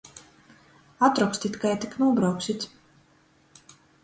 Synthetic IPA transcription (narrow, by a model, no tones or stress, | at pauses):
at̪ɾɔksʲt̪ʲit̪ʲkajt̪iknuɔbɾawksit̪ʲ